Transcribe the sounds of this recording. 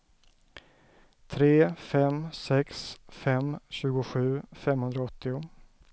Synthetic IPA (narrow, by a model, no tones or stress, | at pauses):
t̪ʰɾeːfɛmsɛksfɛmɕʉ̟ːɡʊɧʉ̟ːfɛmhɵnd̪ɾaɔt̪ːɪʊ